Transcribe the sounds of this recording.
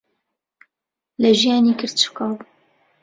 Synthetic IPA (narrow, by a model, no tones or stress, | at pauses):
lɐʒijɑːniːkʰɨɾd̪̚t͡ʃɨ̥kɑːbu